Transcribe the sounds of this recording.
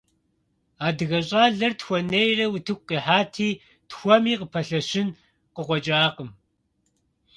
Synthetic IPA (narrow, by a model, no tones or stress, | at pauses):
aːdɨɣɐɕʼaːɮɐrtxʷɔnejrɐwʊtʰɨk̚ʷqiħaːtʰiː | txʷɔmiːqəpʰɐɬɐʃɪn | qəqʷɔt͡ʃʼaːqəm